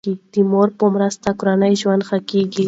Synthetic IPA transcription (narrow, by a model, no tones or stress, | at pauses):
id̪̥imoɾpəmɾast̪akʊɾanəjʒwand̪xakeɡi